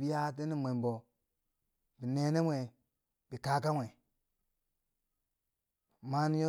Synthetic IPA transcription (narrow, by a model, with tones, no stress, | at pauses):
bi˦ja˦t̬e˦ni˦mʷe˨m˨bo˨ | bi˨ne˨˦ne˦mʷwe˨ | bi˨ka˦k̬a˦mʷwe˨ | ma˦n˦jo˦